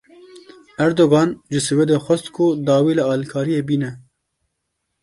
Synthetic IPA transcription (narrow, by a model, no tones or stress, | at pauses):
æɾd̪oɡɑːnʒɨsɨwed̪exʷɛst̪kʰʊd̪ɑːwiːlɨɑːlikʰɑːɾijeːbiːnɛ